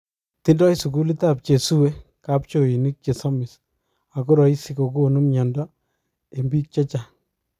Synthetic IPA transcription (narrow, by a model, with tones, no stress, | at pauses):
tɪ˦ndɔ˦jsu˨ku˦li˦ta˦p̚t͡ʃe˨su˦we˦ka˦p̚t͡ʃo˨i˨ni˦k̚t͡ʃe˨sɔ˦mɪ˨s | a˨ko˦ɾɔ˨i˦si˦ko˨ko˦˨nu˦mɲɔ˨ndɔ˦ | e˨mbi˦k̚t͡ʃɛ˦t͡ʃa˨